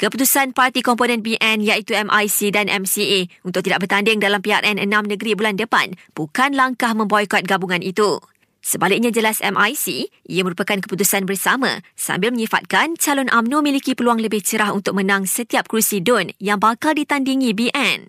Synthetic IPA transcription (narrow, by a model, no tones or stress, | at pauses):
kəput̪usanpart̪ikɔmponɛ̃nbiʔɛnjait̪uɛmʔajsidanʔɛ̰msieunt̪ʊk̚ʔt̪idaʔ̚bərt̪andɪŋdalampiarʔɛnənãmnə̃ɡəɾibulandəpa̰nb̥ukanlaŋkahmə̃mbojkɔt̪̚ɡabuŋãnit̪u | səbalɪk̚ɲãd͡ʒəlasɛ̰mʔajsḭʔḭamə̃ɾupakankəput̪usanbərsamã̰sa̰mbɪlmə̃ɲĩfa̰t̪̚kant͡ʃalɔnʔamnũmilikipəluaŋləbɪht͡ʃəɾaɦunt̪ʊk̚mə̃nãŋsət̪iap̚kɾusidɔnjaŋbakaldit̪andiŋĩbiʔɛn